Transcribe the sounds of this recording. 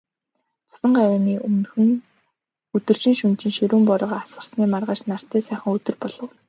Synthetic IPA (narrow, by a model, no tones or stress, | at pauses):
t͡sʰʊ̥sə̆ɴɢaɾaːniːʔɵnxɘ̆n | ɵt̪ɵ̆rʃĭŋʃɵnt͡ɕɪ̆ŋʃiɾuːmpɔɾɞ̆ʁaasɢə̆rsniːmarʁaːʃnar̥t̪æːsæːχə̆ŋɵt̪ɵ̆rpɔɮ̥ɞ̆w